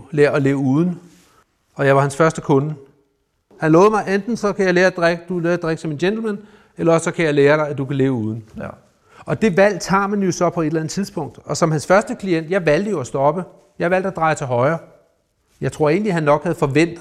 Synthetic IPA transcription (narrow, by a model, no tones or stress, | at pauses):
leɐɒle̝ːʊuːð̞ˠn̩ | ɒ̽jɑ̈ɪʋɑ̈hænsfɶɐsd̥əkʰɔ̽nə | hænlɔːðˠmɑ̈ɪend̥n̩sɒ̽kʰæjɑ̈ɪleːɐd̥ʁeɡ̥əd̥uleːd̥ʁeɡ̥əsɒ̽me̝nɕend̥l̩mæn | elɐɒ̽ssɒ̽kʰæjɑɪleːɐɾ̥ɑ̈ɪæd̥ukʰæle̝ːʊuːð̞ˠn̩ | ɒ̽d̥e̝ʋæl̰d̥hɑ̰̈ːmænjo̝sɒ̽pʰɒ̽e̝d̥lænð̩ˠt͡sʰiðˠsb̥ɔ̽ŋ̰d̥ɒ̽sɒ̽mhænsfɶɐsd̥əkʰlien̰d̥jɑ̈ɪʋæl̰d̥əjo̝æsd̥ɒ̽b̥ə | jɑɪʋæl̰d̥æd̥ʁɑ̈ɪt͡sʰe̝lɦɒ̽ɪɐː | jɑ̈ɪt͡sʰʁo̝ɐ̰e̝ːn̩liɦænːɒ̽ɡ̥hæð̞̩ˠfɒ̽ʋen̰d̥